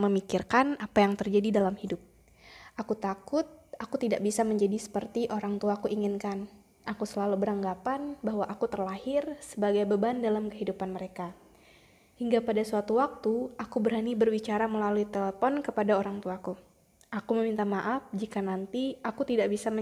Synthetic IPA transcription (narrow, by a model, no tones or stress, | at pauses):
məmikirkanapajaŋt̪ərd͡ʒadidalamhidʊp̚ | ʔakut̪akʊt̪̚akut̪idaʔbisaməɲd͡ʒadisə̥pərt̪iʔoɾaŋt̪uakuiŋɪnkan | ʔakusəlalubəɾaŋɡapanbahwaʔakut̪ərlahɪrsəbaɡajbəbandalamkəɦidupanməɾeka | hiŋɡapadasuat̪uwak̚t̪uakubəɾanibərwit͡ʃaɾaməlaluit̪eləfɔnkəpadaoɾaŋt̪uaku | akuməmint̪amaʔafd͡ʒikanant̪iakut̪idaʔbisa